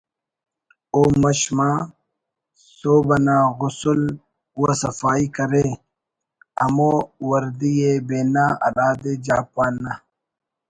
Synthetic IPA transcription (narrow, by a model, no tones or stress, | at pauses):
oːmɐɕmaː | soːbɐnaːɣʊsul | uwasɐfaːikɐɾe | ɐmoːwɐɾd̪ijebeːnaːɐ̰ɾaːd̪ed͡ʑaːpwaːnːa